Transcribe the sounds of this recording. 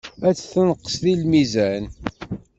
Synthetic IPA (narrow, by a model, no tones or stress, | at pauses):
æt͡sːθənəqːə̥sðilmizæn